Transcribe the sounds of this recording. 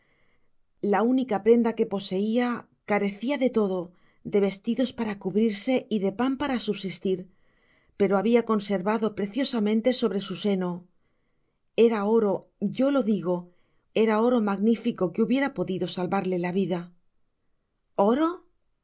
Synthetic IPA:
launikapɾe̞nd̪ake̞po̞se̞ia | kaɾe̞θiaðe̞t̪o̞ðo̞ | ðe̞βe̞st̪iðo̞spaɾakuβɾiɾse̞iðe̞pampaɾasuβsist̪iɾ | pe̞ɾo̞aβiako̞nse̞ɾβaðo̞pɾe̞θjo̞samẽ̞nt̪e̞so̞βɾe̞suse̞no | e̞ɾao̞ɾo̞ | ʝo̞lo̞ðiɣ̞o̞ | e̞ɾao̞ɾo̞maɣnifiko̞keuβje̞ɾapo̞ðiðo̞salβaɾle̞laβ̞iða | o̞ɾo̞

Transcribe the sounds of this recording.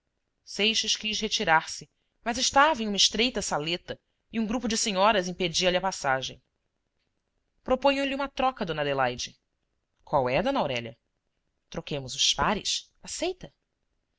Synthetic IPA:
sejʃɐʃkiʃhet͡ʃiɾaɾsɪ | mɐzɪʃt̪avɐẽumɐɪʃt̪ɾejt̪ɐsalet̪ɐ | ɪũɡɾupʊd͡ʒɪseɲɔɾɐzĩped͡ʒiɐliɐpasaʒḛ̃j̃ | pɾopõɲɐ̃liũmɐt̪ɾɔkɐd̪õnɐd̪elajd͡ʒɪ | kwawɛd̪õnawɾɛʎɐ̰ | t̪ɾokẽmʊzʊʃpaɾɪs | asejt̪ɐ

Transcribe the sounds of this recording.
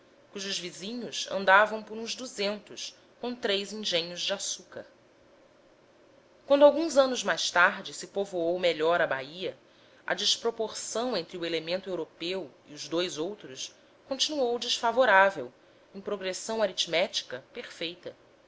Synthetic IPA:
kuʒʊzvizĩɲʊsɐ̰̃nd̪avɐ̃w̃pʊɾũzd̪uzẽnt̪ʊʃ | kõt̪ɾejzĩʒẽɲʊzd͡ʒɪasukɐ̰ɾ | kwɐ̃nd̪ʊawɡũzɐ̃nʊzmajʃt̪aɦd͡ʒɪsɪpovoowmeʎɔɾɐbaiɐ | ɐ̰d͡ʒiʃpɾopoχsɐ̃w̃ẽnt̪ɾuelemẽnt̪ʊewɾopewḭʊʒd̪ojzowt̪ɾʊs | kõnt͡ʃinuowd͡ʒiʃfavoɾavew | ẽj̃pɾoɡɾesɐ̃w̃aɾit͡ʃmɛt͡ʃi̥kɐpeɾfejt̪ɐ

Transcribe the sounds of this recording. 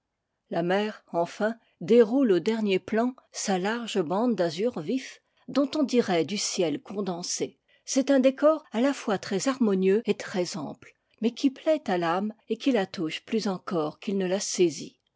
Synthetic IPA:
lamɛʁɑ̃fɛ̃ | d̪eʁulod̪ɛʁnjeplɑ̃salaʁʒəbɑ̃d̪d̪azyʁvif | d̪ɔ̃t̪ɔ̃d̪iʁɛd̪ysjɛlkɔ̃d̪ɑ̃se | sɛt̪ɛ̃d̪ekɔʁalafwat̪χɛzaʁmɔnjøet̪χɛzɛ̰̃pl | mɛkʲʰiplɛt̪alamekʲilat̪uʃplyzɑ̃kɔʁkilnəlasezḭ

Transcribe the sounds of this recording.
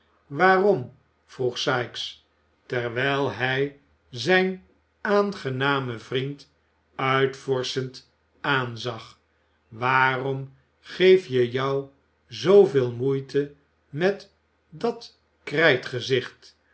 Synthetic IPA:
ʋaːrɔm | v̥ruχsɑjks | tɛɹʋɛjlˠɦɛj | zɛjn | aːnχənaːməvrint | œɥtfɔɹsənt | aːnzɑχ | ʋaːrɔm | χejfjəjɔw | zowvɪːlˠmujtʰə | mɛt | dɑt | krɛjtχəzɪχt

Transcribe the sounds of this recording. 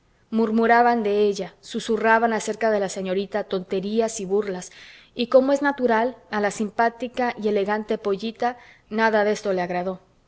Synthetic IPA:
muɾmuɾaβand̪e̞e̞ʝasusuraβanase̞ɾkaðe̞lase̞ɲo̞ɾit̪at̪o̞nt̪e̞ɾiasiβurlas | iko̞mo̞e̞znat̪uɾalalasimpat̪ikaʔie̞le̞ɣant̪e̞po̞ʝit̪a | naðaðe̞st̪o̞leaɣɾaðo̞

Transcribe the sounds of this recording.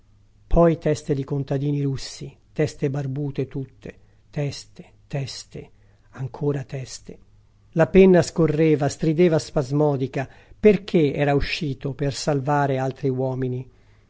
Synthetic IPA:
pʰɔjt̪ɛst̪ed̪ikont̪ad̪iːniɾusːit̪ɛst̪ebarbuːt̪et̪ut̪ʰːe | t̪ɛst̪e̥ | t̪ɛst̪e | aŋkʰoːɾat̪ɛst̪e | lapɛnːaskorːeːvast̪ɾid̪ɛːvaspazmɔːd̪ikaperk̟ʰeɛːɾauʃːiːt̪opersalvaːɾealt̪ɾiwɔːmini

